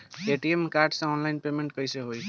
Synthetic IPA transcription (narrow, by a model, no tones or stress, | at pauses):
eʈiemkaɾɖsãɔnlajnpemeɳʈ̚kʌjseɦoj